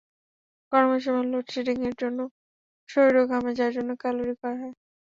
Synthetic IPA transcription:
kɔɾmoʃ̬ɔmalːoʈʃiʈiŋeɾd͡ʑonːo | ʃoɾiɾoɡʱamed͡ʑaaɾd͡ʑonːokaloɾikɔɾaɦɔe

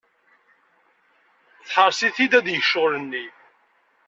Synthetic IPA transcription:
θħəɾˤsiθid̪æðjəçʃʊlənːi

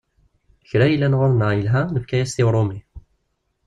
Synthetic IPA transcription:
çɾæjəlːænʁʊlnəʁjəlɦænəfkæjæst̪iwɾˤomi

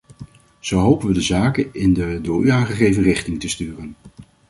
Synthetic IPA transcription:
z̥owɦowpənʋədəzaːkənɪndədʊːɹyaːnχəχejvənrɪχtɪŋtəstyːrən

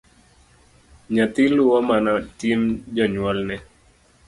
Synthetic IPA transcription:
ɲat̪iluwɔmanatimd͡ʒaɲwɔlnɛ

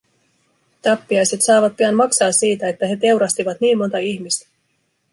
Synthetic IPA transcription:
t̪ɑpːiɑjse̞t̪sɑːʋɑt̪̚piɑnmɑksɑːsiːt̪æe̞t̪ːæɦe̞t̪e̞wɾɑst̪iʋɑt̪niːmmo̞nt̪ɑiçmist̪æ̥

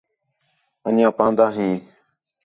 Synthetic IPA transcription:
ənãːpãːnd̪aːɦĩː

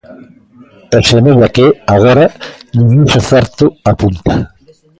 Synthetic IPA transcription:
esemezakeaɣ̞oɾanĩŋɡunseθɛɾt̪ʊapunt̪ḁ

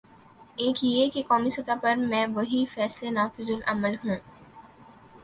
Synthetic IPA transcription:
eːkjekekɔːmisɐt̪apɐɾmɛ̃ːʋɐɦifɛːslenaːfɪzʊlʔɐməlɦũː

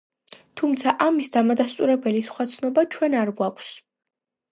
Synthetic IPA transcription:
t̪ʰumt̪sʰaʔamisd̪amad̪ast̪ʼuɾɛbɛlisχwat̪sʰnɔbat͡ʃʰwɛnaɾɡwakʷʰs

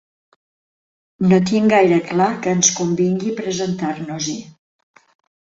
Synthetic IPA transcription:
not̪iŋɡajɾəklakəːnskumbiŋɡipɾəzənt̪aɾnuzi

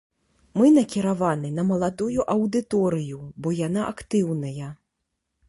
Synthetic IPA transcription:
mɨnɐkʲiɾavanɨnɐmɐlˠad̪ujuʔɐwd̪ɨt̪ɔɾɨjubɔjan̪aʔakt̪ɨwnɐjɐ

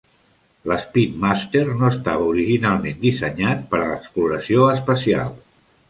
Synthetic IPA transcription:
ləspit̪mast̪ernoəst̪aβəuɾiʒinalˠmend̪isəɲat̪̚pəɾələkspluɾəsioəspəsia̰lˠ

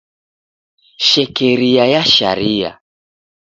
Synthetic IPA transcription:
ʃɛkɛɾiajaʃa̰ɾia̰

